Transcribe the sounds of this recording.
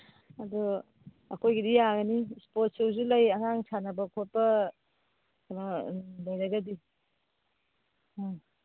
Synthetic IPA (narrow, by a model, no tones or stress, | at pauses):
ɐdɔ | ɐkʰojɡidijaɡɐnispot̚sewzulɐjɐŋaŋsʰanɐbɐkʰot̚pɐ | knɔlɐjɾɐɡɐdi